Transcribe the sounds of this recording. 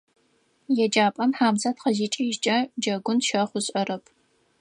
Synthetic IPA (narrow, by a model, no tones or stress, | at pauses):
jɛd͡ʒaːpʼɐmħaːmzɐtqɐʒiːt͡ʃʼɐʒt͡ʃʼɐd͡ʒɐɡʷʊnʃɐχʷʊɕʼɐrɐpʰ